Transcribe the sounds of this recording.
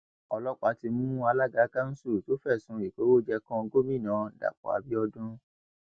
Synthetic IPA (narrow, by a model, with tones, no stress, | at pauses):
ɔ˧lɔ˦k͡pa˨˦ti˧mũ˦a˧la˦˨ɡa˨˦ka˦n̩˦su˦˨to˨˦fɛ˦˨sũ˨˦i˨ko˨˦wo˦d͡ʒɛ˧kɔ̃˧ɡo˦mĩ˦˨nãː˨˦da̰˨k͡pɔ̰˨a̰˨˧bi˦ɔ˧dũ˦